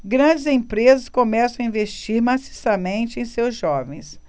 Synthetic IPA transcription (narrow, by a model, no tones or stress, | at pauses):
ɡɾɐ̃d͡ʒɪzẽpɾezɐskomɛsɐ̃w̃ɐĩvest͡ʃiɾmasi̥sɐmẽnt͡ʃɪẽj̃sewzʒɔvẽj̃s